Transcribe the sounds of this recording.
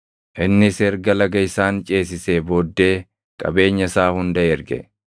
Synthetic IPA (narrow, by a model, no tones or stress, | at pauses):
ʔɪnːɪsɛːɾɡɐlɐɡɐɪsaːnt͡ʃʼe̞ːs̬ɪseːbo̞ːd̪ːe̞ː | kʼɐ̰be̞ːɲːɐsaːhʊnd̪ɐɛɾɡɛ̰